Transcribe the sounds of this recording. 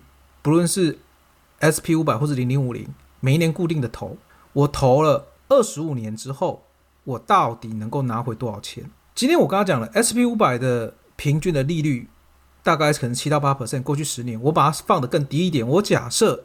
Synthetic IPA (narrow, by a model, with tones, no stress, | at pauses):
pu˧˥lwə˥˧nʂɻ̩˥˩ | ɛ˦˥spʰi˦˥u˧˥p̬a˨˩ɪxɔ˥˧ʂɻ̩˥˩li˧˥ŋli˧˥ŋu˨˩lḭ˧˦ŋ | me˨˩ɪi˥˩njnku˥˧t̪i˥˩ŋd̪ə˩t̪ʰo̰˧˥˦ʊ | wɔ˨˩t̪ʰo˧˥ʊlə˧ | ə˥˩ʂɻ̩˧˥u˨˩njɛ˧˦nʈ͡ʂɻ̩˥xo˥˩ʊ | wɔ˨˩t̪ɑ˥˨˩ʊt̪i˨˩nə˧˥ŋko˥˩ʊna˧˥xwe˧˥ɪwɔ˥ɑ˨˩ʊt͡ɕʰjɛ̰˧˦n | t͡ɕi˥nt̪ʰjɛ˥nwɔ˨˩kɑ˥ŋɑ˥t͡ɕjɑ˨˩ŋlə˦ʔɛ˥spʰi˧˥u˧˥pa˨˩ɪd̪ə˩ | pʰi˧˥ŋt͡ɕy˥˩nd̪ə˨li˥˧ly˥˩ | t̪a˥˧ka˥˧ɪkʰə˨˩nə˧˦ŋt͡ɕʰi˥t̪ɑ˥˧ʊpa˦˥pʰə˨˩sɛ˥˧nkwɔ˥˧t͡ɕʰy˥˩ʂɻ̩˧˦njɛ˧˥nwɔ˧˥ma˨˩˥fɑ˥˨ŋd̪ə˩kə˥˩ŋt̪i˧˥i˥˩t̪̬jɛ˨˩nwɔ˧˦t͡ɕja̰˨˩sɤ˥˩